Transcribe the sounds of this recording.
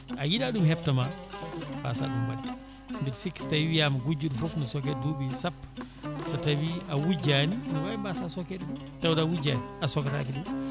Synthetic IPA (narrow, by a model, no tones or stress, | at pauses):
ajidaɗumhɛp̚tɐma | ba̰ːsa̰ːɗumwa̰d | ŋɡiɾsikstawijamɡud͡ʒudfufnɐsɔkɛdubisapː | sɐtɐbiawud͡ʒaninɐwajimbaːsasɔkɛt | tɐwdawud͡ʒaniasɔkata̰kidum